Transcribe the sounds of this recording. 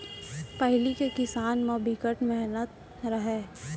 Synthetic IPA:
pɛɦlikekɪsaːnmẽbʱɪkəʈmɛɦnət̪̚ | ɾɐɦɛː

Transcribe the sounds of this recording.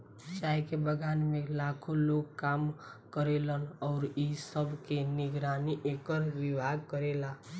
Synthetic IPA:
t͡ʃaːjkebəɡaːnmẽlaːkʰoloːɡ̚kaːmkəɾelənɔːɾisəbʱkenɪɡɾaːniʔeːkəɾʋɪbʱaːɡ̚kəɾeːlaː

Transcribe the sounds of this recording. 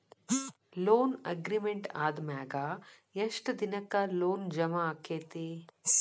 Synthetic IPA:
loːnɐɡɾimeɳʈaːd̪maːɡa | eʂʈɐd̪inɐkːaloːnd͡ʒɐmaːkːeːt̪e

